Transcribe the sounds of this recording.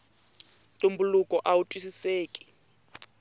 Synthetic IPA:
tʼumbulukʼɔʔawutʼwis̬iseːkʼi̥

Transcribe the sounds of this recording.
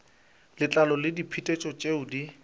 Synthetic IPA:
lɪt͡ɬʼalɔlɪdipʰitʼet͡ʃʼɔt͡ʃʼeʊdi

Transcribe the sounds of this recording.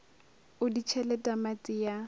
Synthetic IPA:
ʊdit͡ʃʰɛlɛtʼamat͡sʼija

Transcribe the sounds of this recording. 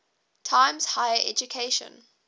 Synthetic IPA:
tʰãɪ̃mz̥haɪəʔɛ̰d͡ʒukʰeɪʃə̰̃n

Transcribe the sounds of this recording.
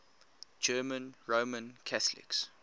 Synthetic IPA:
d͡ʒɜːmə̃nɹomə̃nkʰaθlɪ̰ks

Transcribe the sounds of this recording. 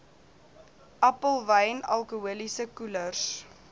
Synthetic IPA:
ʔæpəlˠvəjnɐ̰lˠkuuəlisəkulərs

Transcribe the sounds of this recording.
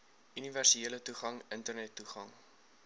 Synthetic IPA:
yniværsieələtuχɐŋəntərnɛtːuχɐŋ

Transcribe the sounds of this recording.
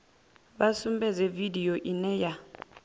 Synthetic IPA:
basumbɛd͡zɛvidijoʔinɛja

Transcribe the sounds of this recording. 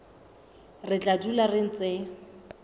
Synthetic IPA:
rɪt͡ɬʼadularɪn̩t͡sɪ

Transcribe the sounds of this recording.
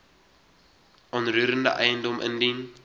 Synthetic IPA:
ʔɔnruːɾəndə̰ʔɛjəndɔmʔə̰ndin

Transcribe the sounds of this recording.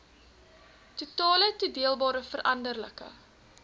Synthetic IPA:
tutɑːlətudiəlˠbɑːɾəfərʔɐndərləkə̰

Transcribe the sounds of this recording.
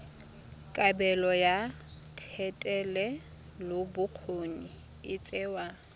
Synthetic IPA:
kʼabɛlɔja | tʰɛtʼɛlɛ | lʊbʊq͡χʰoni | ɪt͡sʼɛwa

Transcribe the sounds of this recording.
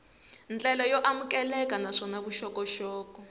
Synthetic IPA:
nt͡ɬʼɛlɔjɔʔamukɛlɛkanaʂɔnaβuʃɔkɔʃɔːkɔ

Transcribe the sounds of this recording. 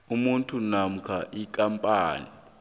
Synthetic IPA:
umuntʰunam̩kʰaʔikʼampʼaːni

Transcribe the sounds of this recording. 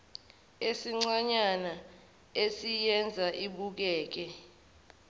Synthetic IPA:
esiŋ͡ǀaɲana | esijɛnd͡zʱaʔiɓuk̬ɛːk̬ɛ

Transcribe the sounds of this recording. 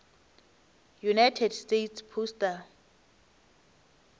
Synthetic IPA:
junajtʰɛdstetʰspʰustʼa

